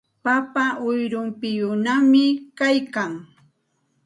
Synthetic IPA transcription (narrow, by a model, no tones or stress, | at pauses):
papaʔʊjɾʊmpɪjʊnamɪkajkaŋ